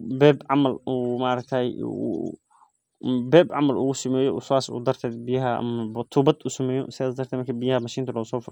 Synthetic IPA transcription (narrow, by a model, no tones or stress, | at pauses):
bɛːbʕamɐluːmaʔɾɐk̚t̪ʰaːj̰ | bɛːbʕamɐlṵːʊsɐmɛːjɔʔʊsaːsṵːd̪ɐrt̪ʰɛːd̪bɪjɐɦɐɐ̰mɐbt̪ʰuːbɐd̪uːsɐmɛːjɔsɪðaːd̪d̪ɐɾt̪ɛːmɐɾkʰɐbɪjɐhɐmɐʃiːnt̪ɐlɐsɔːf